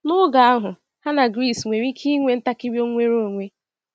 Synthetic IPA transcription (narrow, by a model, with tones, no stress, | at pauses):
nʊ˦ɡa˨a˦ɦʊ˨ | ha˦na˨ɡɾi˦˨sŋʷe˨ɾi˦kʰi˦ŋʷe˨n̩˦ta˦kɪ˦bjo˦ŋʷe˦ɾo˦˨ŋʷe˦